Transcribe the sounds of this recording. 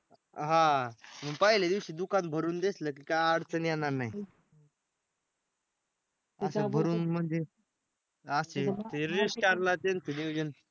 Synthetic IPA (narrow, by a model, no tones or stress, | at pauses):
ɦãməɡpəɦiljad̪iʋɕiːd̪ukant̪̚bʱəɾuːnd̪esləːk̬iːkajaɽt͡sənjanaɾnaɦi | sabʱəɾuːnm̤əɳd͡ze | əset̪eɾisʈaɾlat̪ent̪əd̪iʋd͡ʑən